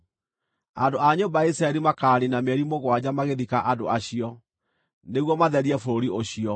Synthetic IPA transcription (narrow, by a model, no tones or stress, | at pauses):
andoaɲombaaisɾaɛɾimakaːɾinamɛɾimoɣwad͡ʑamaɣeðikaʔadoaɕiɔ | neɣwɔmaðɛɾiɛfoɾoɾioɕiɔ